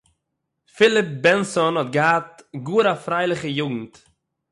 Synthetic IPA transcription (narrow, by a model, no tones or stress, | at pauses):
fɪlˠɪp̚bɛnsɔnhɔt̚ɡəhatɡuːɾafɾaɪlˠɪχəjuɡŋ̩t